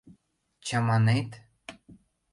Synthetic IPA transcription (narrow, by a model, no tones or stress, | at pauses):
t͡ɕɑmɑnet̪